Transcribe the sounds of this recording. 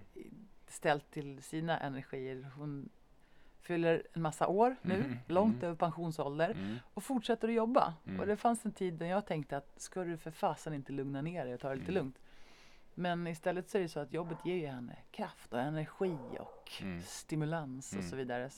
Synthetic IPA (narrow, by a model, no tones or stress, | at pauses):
st̪ɛlt̪ʰːɪlsiːnaʔɛnæɾɧiːəɾhʊn | fʏlːəɾɛnmasːa̰ʔoːɾnʉ̟ːlɔŋt̪øːvəɾpʰanɧuːnsɔld̪əɾɔfʊʈʂɛt̪ːəɾɔjɔbːa̰ʔɔ̰d̪ɛfansɛnt̪ʰiːd̪ːænjɑːɡ̚t̪ʰɛŋk̚t̪əat̪skɑd̪ɵfœɾfɑːsanɪnt̪əlɵŋnaneːɾɛjt̪ʰɑːɾɛliːt̪əlɵŋt̪ | mɛnɪst̪ɛlːət̪sɔæɾɛɖɛsɔat̪jɔbːət̪ʰjeːɾjɵhɛnːə̰kʰɾaft̪ɔɛnæɾɧiːɔ̰kst̪ɪmɵlansɔ̰sɔviːd̪aɾə